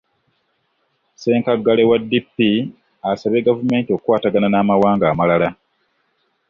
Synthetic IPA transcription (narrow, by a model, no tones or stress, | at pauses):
se̞ːŋkaɡːalewadːipːi | asaβeɡavume̞ːntio̞kkwaːtaɡananaːmawaːŋɡaːmalala